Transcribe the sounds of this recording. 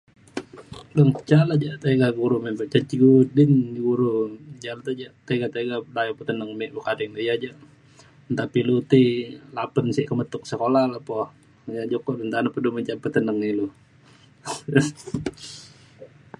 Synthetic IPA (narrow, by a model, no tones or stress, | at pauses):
dəŋət͡ʃalad͡ʒaʔt̪eɡaɡuɾumempəʔt͡ʃat͡ʃiɡudɪniɡuɾud͡ʒalat̪ad͡ʒaʔt̪eɡat̪eɡadajopət̪ənəŋmɛʔbukadɛŋdujad͡ʒa | nt̪apilut̪ilapənsiʔkəmət̪ʊk̚səkolalapɔ | jad͡ʒokɔʔdənt̪anapəduməɲt͡ʃampət̪ənəŋilu